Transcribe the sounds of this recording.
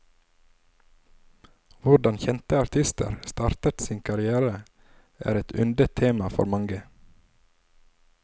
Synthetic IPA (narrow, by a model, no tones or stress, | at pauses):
ʋʊɖɑnçɛnt̪əɑɾt̪ʰɪst̪ə̰ɾst̪ɑːɾt̪ət̪siːnkʰɑɾɪæːɾə | ʔæ̰ːɾɛt̪ʰʉ̰nd̪ət̪ʰːeːmɑfɔ̰ɾmɑŋɡə